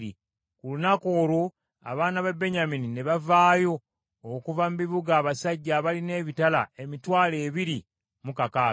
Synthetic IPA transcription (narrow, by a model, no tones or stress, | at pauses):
i | kulunako̞ːlo̞ | a̰βaːnaβebːe̞ɲaminine̞βavaːjo̞ː | kuvamumiβuɡaːβasaɟːaːβaline̞ːβitala̰e̞mitwaːle̞ːβiɾi | mukaka